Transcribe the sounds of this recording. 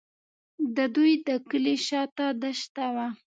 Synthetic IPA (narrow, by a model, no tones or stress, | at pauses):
d̪əd̪ujd̪əkəleʃɑt̪ad̪aʃt̪awa